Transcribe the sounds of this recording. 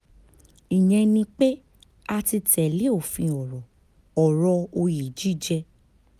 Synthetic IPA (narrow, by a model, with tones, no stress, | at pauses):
i˨j̃ɛ̃˧nĩ˧k͡pe˦ | a˧ti˧tɛ˨le˨˦o˦˨fĩ˧ɔ˨ɾɔ˨ | ɔ˨ɾɔ˧o˧ji˨d͡ʒi˦˨d͡ʒɛ˧